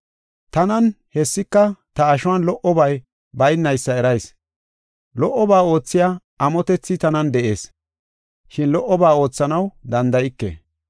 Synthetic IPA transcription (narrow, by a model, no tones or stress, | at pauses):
t̪ɐnɐn | hɛsːɪkːɐt̪ɐːʃʊwɐnlɔʔɔbɐj | bɐjnːɐjsːɐɛɾɐjs | lɔʔːɔbaːo̞ːt͡sːɪja | ɐmɔt̪ɛt͡sːɪt̪ɐnɐnd̪ɛʔe̞̰ːs | ʃɪnlɔʔːɔbaːo̞ːt͡sːɐnɐwd̪ɐnd̪ɐjɪkːḛ